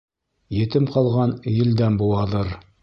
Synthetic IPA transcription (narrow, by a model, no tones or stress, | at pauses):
jɘ̆t̪ɘmqɑlˠʁɑnjɘ̆ld̪æmbuw̪ˠɑðɤɾ